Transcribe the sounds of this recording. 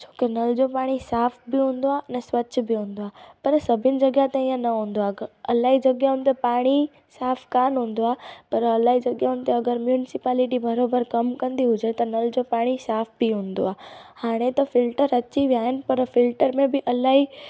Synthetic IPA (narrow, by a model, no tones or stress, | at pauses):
t͡ɕʰo̥ːkenɐld͡ʑopaːɽ̃isaːfʰbɪɦũːnd̪oanɐsʋɐtːʃʰbiɦũːnd̪oaːpɐɾsɐbʱɪnɪ̆d͡ʑɐɡjat̪ẽĩːãnɐɦũːnd̪oaːɡɐlaːɦid͡ʑɐɡjaɦʊ̃nt̪opaːɽ̃i | saːfʰkaːnɦũːnd̪oaːpɐɾɐlaːɦid͡ʑɐɡjaɦʊ̃nɪt̪eɐɡəɾmjuːnɪsɪpaːlɪʈibɐɾoːbəɾkɐmkɐ̃nd̪iɦʊd͡ʒet̪ɐnɐld͡ʑopaːɽ̃isaːpʰbiɦũːnd̪o̰aːhaːɽ̃et̪ɐfɪlʈəɾɐt͡ɕibiaːɦɪnɪ̆pɐɾfɪlʈəɾmẽbɪʔɐlaːɦi